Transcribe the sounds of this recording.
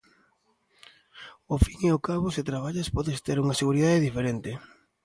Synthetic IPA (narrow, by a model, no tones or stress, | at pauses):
ʊfiŋeʊkaβʊsɪt̪ɾaβ̞aʎaspɔðɪst̪eɾuŋɐseɣuɾiðaðeðifeɾent̪ɪ